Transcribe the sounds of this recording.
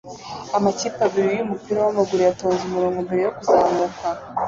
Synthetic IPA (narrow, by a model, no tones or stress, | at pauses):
amacipabiɾijumupiɾawamaɡuɾejatoːnzumuɾoːŋɡombe̞ɾe̞jokuzaːŋɡaka